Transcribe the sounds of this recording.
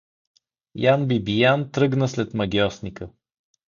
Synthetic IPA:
janbibijant̪ɾɤɡnəslɛt̪mɐɡʲjɔsnikə

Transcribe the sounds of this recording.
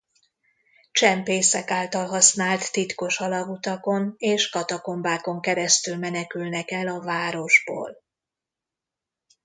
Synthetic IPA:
t͡ʃɛmpeːsɛkaːlt̪ɒlɦɒsnaːlt̪ːit̪ko̞ʃɒlɒɡut̪ɒko̞neːʃkɒt̪ɒko̞mbaːko̞ŋkɛɾɛst̪ylmɛnɛkylnɛkɛlɒvaːɾo̞ʒbo̰ːl

